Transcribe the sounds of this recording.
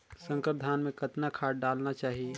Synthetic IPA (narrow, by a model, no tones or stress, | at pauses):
sə̃ŋkəɾd̪ʱaːnmẽkɐt̪nakʰaːɖɖaːlnat͡ʃaːɦie